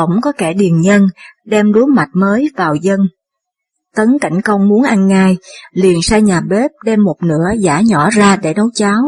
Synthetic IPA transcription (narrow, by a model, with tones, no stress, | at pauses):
ə˧˩wŋ͡mkɔ˨˦kɛ˧˩ɗi˨˩ənɲə˧nɗɛ˧mɗu˨˦jma˨˩jt̚məː˨˦jvaː˨˩wzə˧n | t̪ə˨˦nka̰˧˩jŋ̟kə˧wŋ͡mmu˨˦ənʔa˧jŋːaː˧jli˨˩ənsaː˧jɲaː˨˩ɓe˦˥p̚ɗɛ˧mːo˨˩t̚nɨ̰˧˥əza̰ː˧˥˩ɲɔ˧˩zaː˧ɗe˧˩nə˨˦wt͡ɕaː˨˦w